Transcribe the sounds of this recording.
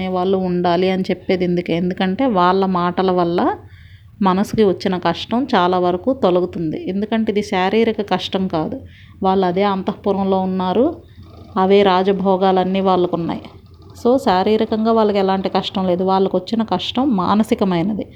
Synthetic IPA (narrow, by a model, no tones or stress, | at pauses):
eːʋaːɭːuːɳɖaːliɐnit͡ʃepːeːd̪iend̪ukeend̪ukɐɳʈe̞ːʋaːɭːɐmaːʈɐlɐʋɐlːɐ | mɐnɐsu̥kiʋɐt͡ʃːinɐkɐʂʈɐmt͡ʃaːlaːʋɐɾɐkuːt̪oluɡut̪und̪ie̞nd̪ukɐɳʈeːid̪iʃaːɾiːɾikɐkɐʂʈɐmkaːd̪u | ʋaːɭːuɐd̪e̞ːɐnt̪ɐpuɾɐmlo̞ːunːaːɾu | ɐʋeːɾaːd͡ʒɐbʱɔːɡaːlɐnːiːʋaːɭːɐkunːa̰ːji | so̞ːʃaːɾiːɾɐkɐŋɡaːʋaːɭːɐkɛlaːɳʈikɐʂʈɐmle̞ːd̪uʋaːɭːɐkʋɐt͡ʃːinɐkɐʂʈɐmːa̰ːnɐsikɐmɐjnɐd̪i